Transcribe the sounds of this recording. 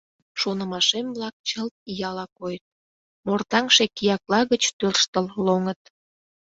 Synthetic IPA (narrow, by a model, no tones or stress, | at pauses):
ʃonəmɑʃemblɑk̚t͡ɕəlt̪̚ijɑlɑkojət̪̚ | mort̪ɑŋʃekijɑklɑɣət͡ɕt̪ørʃt̪əlloŋət̪